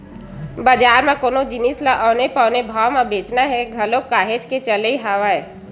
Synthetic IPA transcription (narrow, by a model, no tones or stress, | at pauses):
bad͡ʒaːɾmãkoːnod͡ʒɪnislaʔɔːnepɔːnebʱaːmãbeːt͡ʃnaɦɛɡʱɐlokaːɦed͡ʒket͡ʃəleiɦaːʋaɛ